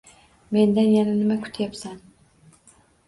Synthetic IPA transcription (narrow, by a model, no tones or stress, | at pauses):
me̞nd̪anjananɪmakʰʊ̥t̪ʰjapsan